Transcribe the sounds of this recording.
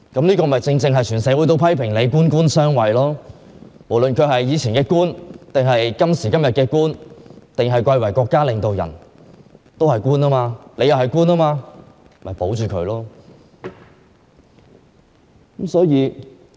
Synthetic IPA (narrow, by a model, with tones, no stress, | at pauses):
kɐ˨˥mniː˥kɔː˧mɐ˨˩jt͡sɪ˧ŋt͡sɪ˧ŋɦɐ˨jt͡ʃʰyː˨˩nsɛː˨˥wu˨˥t̪o˧wpʰɐ˥jpʰɪ˨˩ŋle˨˧jkuː˥nkuː˥nsœː˥ŋwɐ˨˩jlɔː˥ | mo˨˩wlɵ˨nkʰɵ˨˧ɥɦɐ˨jːiː˨˧t͡sʰiː˨˩nkɛː˧kuː˥nt̪ɪ˨ŋɦɐ˨jkɐ˥msiː˨˩kɐ˥mjɐ˨t̚kɛː˧kuː˥nt̪ɪ˨ŋɦɐ˨jkʷɐ˧jwɐ˨˩jkʷɔː˧kːaː˥lɪ˨ŋt̪o˨wjɐ̰˨˩n | t̪o˥whɐ˨jkuː˥naː˥maː˧le˨˧jɐ˨whɐ˨˩jkuː˥naː˥maː˧ | mɐ˨˩jpo˨˥wt͡ʃyː˨kʰɵ˨˧lɔː˥ | kmsɔː˨˥jiː˨˧